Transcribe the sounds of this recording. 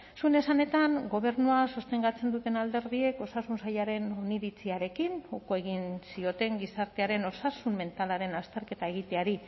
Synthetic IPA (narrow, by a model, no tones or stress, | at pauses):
suene̞sane̞t̪aŋɡo̞β̞e̞ɾnuaso̞st̪e̞ŋɡat͡se̞nd̪ut̪e̞nald̪e̞ɾðie̞ko̞sasunsajaɾe̞no̞niβit͡siaɾe̞kinukoe̞ɣinsio̞t̪e̞ŋɡisaɾt̪e̞aɾe̞no̞sasumme̞nt̪alaɾe̞nast̪e̞ɾke̞t̪ae̞ɣ̞it̪e̞aɾi